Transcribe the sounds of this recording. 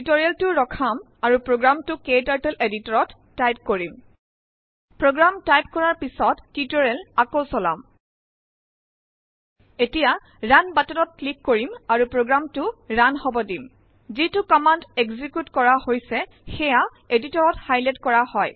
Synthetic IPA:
itoɹialtʊɹɔkʰam | aɹupɹoɡɹamtʊketaɹtɛleditɔɹɔtːajp̚koɹim | pɹoɡɹamtajp̚kɔɹaɹpisɔtːitɔɹɛlakosɔla̰m | etija | ɹanbatɔlɔt̚klikːoɹimaɹupɹoɡɹamtʊɹanhɔbɔdim | zitʊkɔmanteɡzikjutkɔɹahojsɛ | xɛja | editɔɹɔthajlɛtkɔɹahɔj

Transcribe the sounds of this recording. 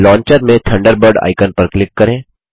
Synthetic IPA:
lɔ̃ːɲt͡ʃəɾmẽt̪ʰɐ̃ɳɖəɾbəɾɖa̰ːɪkənpəɾklɪkːɐɾẽː

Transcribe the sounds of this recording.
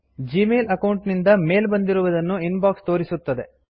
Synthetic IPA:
d͡ʒiːmeːlɐkɐwɳʈnind̪ɐme̞ːlbɐnd̪iɾuʋɐd̪ɐnːuinbaːkst̪o̞ːɾisut̪ːɐd̪e̞̰

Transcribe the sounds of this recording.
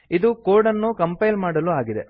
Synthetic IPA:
id̪ukoːɾɖɐnːukɐmpɐjlmaːɽɐluaːɡid̪ḛ

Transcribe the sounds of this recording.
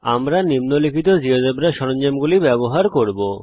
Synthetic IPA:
amɾanimnolikʰit̪od͡ʑiɦod̪ebɾaʃɔɾond͡ʑemɡulibɛboɦaɾkoɾbo

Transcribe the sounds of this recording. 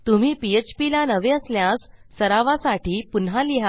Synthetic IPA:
t̪um̤iːpiet͡ɕpilanəʋeəsljasːəɾaʋasaʈiːpunɦaliɦa

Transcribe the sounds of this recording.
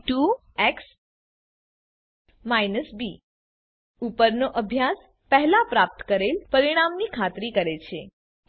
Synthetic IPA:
ʈu | eks | majnəsbi | upəɾnoʔəbʱjas | pəɦlapɾap̚t̪ə̥kəɾelpəɾiɽ̃amnikʰat̪ɾikəɾet͡ʃʰe

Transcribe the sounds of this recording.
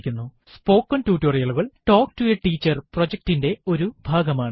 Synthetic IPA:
kʲːunːusspo̞ːkːɐntuːtːorijɐɭuɣɐɭʈo̞ːkʈueʈiːt͡ɕːɐrprod͡ʑɐk̚tinde̞o̞ɾubʱaːɡɐmaːɳɨ

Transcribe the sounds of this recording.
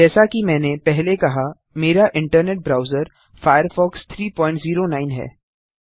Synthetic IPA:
d͡ʒɛːsakimɛ̃ːnepɛɦlekɐɦa | meːɾaʔɪ̃ɳʈəɾneːʈ̚bɾaːʊzəɾ | faːjəɾfɔːkst̪ʰɾiːpɔ̃ːɪ̃ɳʈziːɾonaːɪnɦɛ̰ː

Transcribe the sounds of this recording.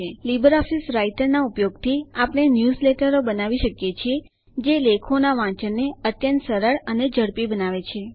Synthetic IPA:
elibəɾɔfisɾaiʈəɾnaupjoɡt̪ʰiapəɽ̃enjuzleʈəɾobənaʋiʃəkjet͡ʃʰie | d͡ʒelekʰonaʋãt͡ʃəɾneət̪jənt̪səɾəɭəned͡ʒəɽpibənaʋet͡ʃʰe

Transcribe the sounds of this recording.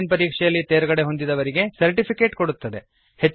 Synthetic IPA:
npɐɾiːkʂɛjɐlːit̪eːɾɐɡɐɽeɦo̞nd̪id̪ɐʋɐɾiɡe̞sɐɾʈipʰike̞ːʈkoɽut̪ːɐd̪e̞ | het͡ʃː

